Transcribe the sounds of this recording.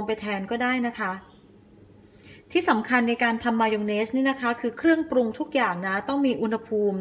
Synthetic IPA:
ŋpa˧jt̪ʰɛː˧nkɔː˥˩daː˥˩jna˦˥kʰa˦˥ | t̪ʰiː˥˩sa˩˦mkʰa˧nːa˧jkaː˧nt̪ʰa˧mːaː˧jo˧ŋneː˦˥sniː˥˩na˦˥kʰa˦˥kʰɯː˧kʰɾɯ˥˩əŋpɾu˧ŋt̪ʰu˦˥k̚jaː˨˩ŋna˦˥t̪ɔ˥˩ŋmiː˧ʔu˧nha˧pʰuː˧m

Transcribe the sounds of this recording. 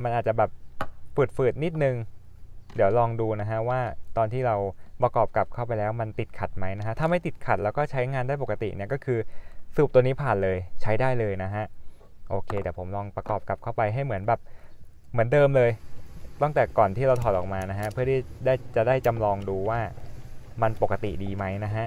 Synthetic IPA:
ma˧nʔa˨˩t͡ɕa˨˩bɛː˨˩p̚pu˨˩t̪̚fɯː˨˩t̪̚ni˦˥t̪̚nɯ˨˩ŋ | di˩˦əwlɔː˧ŋduː˧na˦˥kʰa˦˥ʔwaː˥˩t̪ɔː˧nt̪ʰiː˥˩ɾa˧wpɾa˧kɔː˨˩p̚ka˨˩p̚kʰa˥˩wp̬a˧jlɛː˦˥wma˧nt̪i˨˩t̪̚kʰa˨˩t̪̚ma˦˥jna˦˥kʰa˦˥t̪ʰa˧mha˥˩jt̪i˨˩t̪̚kʰa˨˩t̪̚lɛː˦˥wkɔː˥˩t͡ɕʰa˦˥jŋaː˧ndaː˥˩jpo˨˩ka˧t̪ḭ˨˩ʔni˥˩ɐkɔː˥˩kʰɯː˧suː˨˩p̚t̪niː˦˥pʰaː˨˩nlɤː˧jt͡ɕʰa˦˥jdaː˥˩jlɤː˧jna˦˥kʰa˦˥ʔ | ʔoː˧kʰeː˧t̪ɛː˨˩pʰo˩˦mlɔː˧ŋpɾa˧kɔː˨˩p̚ka˨˩p̚kʰa˥˩wpa˧jɦa˥˩jmɯ˩˦ənbɛː˨˩p̚ | mɯ˩˦əndɤː˧mlɤː˧jt̪ɔ˥˩ŋt̪ɛː˨˩kɔː˨˩nt̪ʰiː˥˩ɾa˧wt̪ʰɔː˨˩t̪ʔɔː˨˩k̚maː˧na˦˥kʰa˦˥ʔpʰɯ˥˩ɐt̪ʰiː˥˩daː˥˩jt͡ɕa˨˩daː˥˩jt͡ɕa˧mlɔː˧ŋduː˧waː˥˩ma˧npo˨˩kːa˧t̪ḭ˨˩diː˧ma˦˥jna˦˥kʰa˦˥ʔ

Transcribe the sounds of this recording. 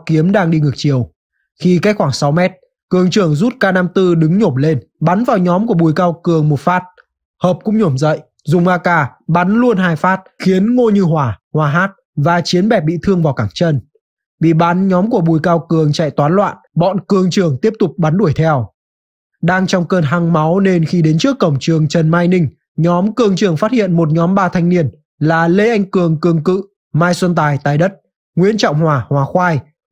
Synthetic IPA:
ki˨˦əmɗaː˧ŋɗi˧ŋɨ˨˩ə˩k̚t͡ɕi˨˩əw | xi˧ka˦˥k̚xwaː˧˩ŋsa˨˦wmɛ˦˥t̚ | kɨ˨˩əŋt͡ɕɨ˧˩əŋzu˦˥t̚kaː˧na˧mt̪ɨ˧ɗɨ˨˦ŋɲo˧˩mle˧n | ɓa˨˦nvaː˨˩wɲɔ˨˦mku˧˩əɓu˨˩jkaː˧wkɨ˨˩əŋmo˨˩t̚faː˦˥t̚ | həː˨˩p̚kʊ̰˧˥ŋ͡mɲo˧˩mzə̰˧˨jʔ | zʊ˨˩ŋ͡mʔaː˧kaː˧˩ɓa˨˦nlu˧ənɦaː˧jfaː˦˥t̚xi˨˦ənŋo˧ɲɨ˧ɦwaː˧˩hwaː˨˧ɦaː˦˥t̚ | vaː˨˩t͡ɕi˨˦ənɓɛ˨˩p̚ɓḭ˧˨t̪ʰɨ˧əŋvaː˨˩wkaː˧˩ŋt͡ɕə˧n | ɓḭ˧˨ɓa˨˦nɲɔ˨˦mku˧˩əɓu˨˩jkaː˧wkɨ˨˩əŋt͡ɕa̰˧˨jt̪waː˨˦nlwa̰ː˧˨nɓɔ̰˧˨nkɨ˧˩əŋt͡ɕɨ˨˧˩əŋt̪i˦˥əp̚t̪ʊ˨˩k͡p̚ɓa˨˦nɗu˧˩əjt̪ʰɛ˧w | ɗaː˧ŋt͡ɕɔ˧wŋ͡mkəː˧nɦa˧ŋma˨˦wne˧nxi˧ɗe˨˦nt͡ɕɨ˦˥əkːə˧˩wŋ͡mt͡ɕɨ˨˩əŋt͡ɕə˨˩nmaː˧jnï˧ŋ̟ | ɲɔ˨˦mkɨ˧˩əŋt͡ɕɨ˨˧˩əŋfaː˦˥t̚hḭ˧˨ənmo˨˩t̚ɲɔ˨˦mɓaː˧t̪ʰa˧jŋ̟ni˧ən | laː˨˩le˧ʔa˧jŋ̟kɨ˨˩əŋkɨ˨˩əŋkɨ̰˧˨ | maː˧jswə˧nt̪aː˧˩jt̪aː˨˩jɗə˦˥t̚ | ŋwi˧ənt͡ɕɔ̰˧˨wŋ͡mhwaː˨˩hwaː˨˩xwaː˧j

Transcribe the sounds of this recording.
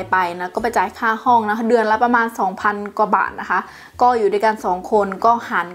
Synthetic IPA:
jpa˨jna˦˥kɔː˥˩pa˨˦jt͡ɕaː˨˦jkʰaː˥˩hɔː˥˩ŋna˦˥kʰa˧˥dɯ˧ənla˦˥wpa˧maː˧nsɔː˩˦ŋpʰa˧nkwa˧˩ba̰ː˨˩t̪̚na˦˥kʰa˦˥ʔ | kɔː˥˩juː˨daː˥˩˨jka˧nsɔː˩˦ŋkʰo˧nkɔː˥˩haː˨˦n

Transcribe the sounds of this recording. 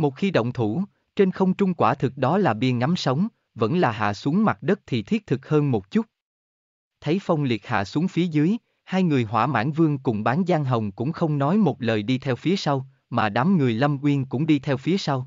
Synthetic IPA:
mo˨˩t̚xi˧ɗə̰˧˨wŋ͡mt̪ʰu˧˩ | t͡ɕe˧nxə˧wŋ͡mt͡ɕʊ˧ŋ͡mkwaː˧˩t̪ʰɨ˨˩k̚ɗɔ˨˦laː˨˩ɓḭ˧ənŋa˨˦msə˨˦wŋ͡m | və̰˧˥nlaː˨˩ɦa̰ː˧˨su˨˦əŋma˨˩t̚ɗə˦˥t̚t̪ʰi˨˩t̪ʰi˦˥t̚t̪ʰɨ˨˩k̚həː˧nmo˨˩t̚t͡ɕu˦˥t̚ | t̪ʰə˨˦jfa˧wŋ͡mli˨˩ət̚ha̰ː˧˨su˨˦əŋfi˨˦əzɨː˨˦j | haː˧jŋɨ˨˩əjɦwa̰ː˧˩ma̰ː˧˥nvɨ˧əŋkʊ̰˧˩ŋ͡mɓaː˨˦nzaː˧ŋɦə˨˩wŋ͡mkʊ̰˧˥ŋ͡mxə˧wŋ͡mnɔ˨˦jmo˨˩t̚ləː˨˩jɗi˧t̪ʰɛ˧wfi˨˦əsa˧w | maː˨˩ɗa˨˦mŋɨ˨˩əjlə˧mkwi˧ənkʊ̰˧˥ŋ͡mɗi˧t̪ʰɛ˧wfi˨˦əsa˧w

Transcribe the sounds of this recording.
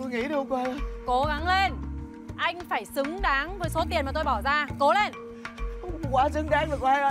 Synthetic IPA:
u˧jŋḭ˧˥ɗɨ˨˧˦kwaː˧ə˨˧ko˨˦ɣa˨˦ŋle˧n | ʔa˧jŋ̟faː˧˩jsɨ˨˦ŋɗaː˨˦ŋvəː˨˦jso˨˦t̪̬i˨˩ənmaː˨˩t̪o˧jɓɔ˧˩wzaː˧ko˨˦le˧n | kkwaː˨˦sɨ˨˦ŋɗaː˨˦ŋvɨ˨˩kwa˨˦a˧jʔə˧˦

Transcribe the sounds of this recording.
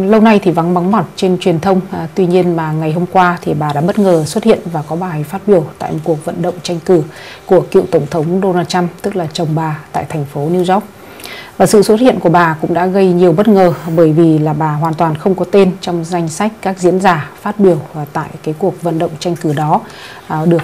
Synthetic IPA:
lə˧wna˧jt̪ʰi˨˩va˨˦ŋɓa˨˦ŋmɔ˨˩t̚t͡ɕe˧nt͡ɕwi˨˩ənt̪ʰə˧wŋ͡mt̪wi˧ɲi˧ənmaː˨˩ŋa˨˩jɦo˧mkwaː˧t̪ʰi˨˩ɓaː˨˩ɗa̰ː˧˥ɓə˦˥t̚ŋəː˨˩swə˦˥t̚hḭ˧˨ənvaː˨˩kɔ˨˦ɓaː˨˩˨jfaː˦˥t̚ɓi˧˩əwt̪a̰ː˧˨jmo˨˩ku˨˩ək̚və̰˧˨nɗə̰˧˨wŋ͡mt͡ɕa˧jŋ̟kɨ˧˩ | ku˧˩əkḭ˧˨wt̪ə˧˩wŋ͡mt̪ʰə˨˦wŋ͡mɗo˧naː˧t̚t͡ɕa˧mt̪ɨ˦˥k̚laː˨˩t͡ɕə˨˩wŋ͡mɓaː˨˩t̪a̰ː˧˨jt̪ʰɛ˨˩jŋ̟fo˨˦ni˧wzɔ˦˥k͡p̚ | vaː˨˩sɨ̰˧˨swə˦˥t̚hḭ˧˨ənku˧˩əɓaː˨˩kʊ̰˧˥ŋ͡mɗa̰ː˧˥ɣə˧jɲi˨˩əwɓə˦˥t̚ŋəː˨˩ɓəː˧˩jvi˨˩laː˨˩ɓaː˨˩ɦwaː˨˩nt̪waː˨˩nxə˧wŋ͡mkɔ˨˦t̪e˧nt͡ɕɔ˧wŋ͡mza˧jŋ̟sa˦˥k̟̚kaː˦˥k̚zḭ˧˥ənzaː˨˩faː˦˥t̚ɓi˧˩əwt̪a̰ː˧˨jkaː˨˦jku˨˩ək̚və̰˧˨nɗə̰˧˨wŋ͡mt͡ɕa˧jŋ̟kɨ˧˩ɗɔ˨˦ | ɗɨ˨˩ək̚

